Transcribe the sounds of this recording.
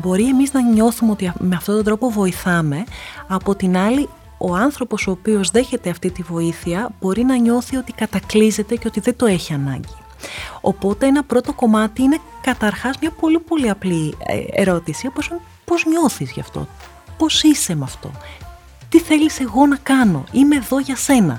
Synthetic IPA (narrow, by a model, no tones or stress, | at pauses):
bo̞ɾie̞miznɐɲo̞θumeo̞t̪iɐme̞ɐft̪ot̪ond̪ɾo̞po̞vo̞iθɐme̞ɐpo̞t̪inɐli | o̞ɐnθɾo̞po̞soːpio̞zðe̞çe̞t̪e̞ɐft̪it̪ivo̞iθiɐb̥o̞ɾinɐɲo̞θio̞t̪ikɐt̪ɐklize̞t̪e̞ceo̞t̪iðe̞d̪o̞e̞çiɐnɐ̰ɲɟi̥ | o̞̰po̞t̪e̞enɐpɾo̞t̪o̞ko̞mɐt̪iinekɐt̪ɐɾxɐzmɲɐpo̞lipo̞liɐplḭḛɾo̞t̪isioposun | po̞zɲo̞θizʝɐft̪o̰ | po̞sise̞mɐft̪o̞̰ | t̪iθe̞lise̞ɣo̞nɐkɐno̞̰ime̞ːðo̞ʝɐse̞nɐ̰